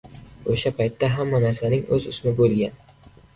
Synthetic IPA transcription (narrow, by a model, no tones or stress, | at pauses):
oʃapʰajt̪ːaɦamːanaɾsanɪŋɵzʊsmɪbolɡʲan